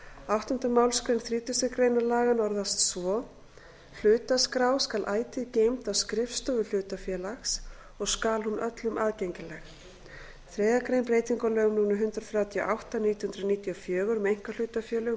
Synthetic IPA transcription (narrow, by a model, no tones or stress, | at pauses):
awht̪hʏnt̪amaːwlskɾejnθɾiːt̪ʏsɪkɾejnalaːɣanɔɾðast̪svɔ | l̥ʏːt̪askɾaːwskalʔaːjt̪ɪcejmt̪awskɾɪfst̪ɔvʏl̥ʏːt̪afjɛːlaxs | ɔɣskaːlhunʔœt̪lʏmʔaːðcejɲcɪlɛx | θɾɛːjðakɾejnpɾeːjt̪iŋkɔlœɣʏmnuːnaɦʏnt̪ɾɔθɾjaːwt̪ʰiɔ̰ʔawht̪aniːt̪ʏhʏnt̪ɾʏniːt̪iɔfjœːɣʏɾmɛejŋ̥kal̥ʏːt̪afjɛːlʏ